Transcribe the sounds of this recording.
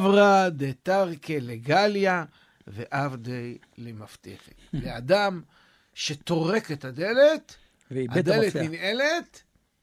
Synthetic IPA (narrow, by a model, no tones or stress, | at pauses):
vʁad̪et̪aʁkeleɡalja | veʔavd̪ej | lemaft̪ḛχḛtleadam | ʃe̞t̪o̞ʁe̞ket̪had̪e̞let̪ | ad̪elet̪nine̞let̪